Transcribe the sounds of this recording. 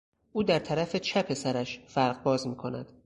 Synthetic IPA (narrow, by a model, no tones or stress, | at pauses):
ʔuːd̪æɾt̪ʰæɾæfet͡ʃʰæpʰe̞sæɾæʃfæɾɢbɒːzmiːkʰo̞næd̪̥